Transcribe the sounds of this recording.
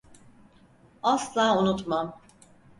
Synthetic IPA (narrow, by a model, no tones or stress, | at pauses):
aslˠaːunut̪mam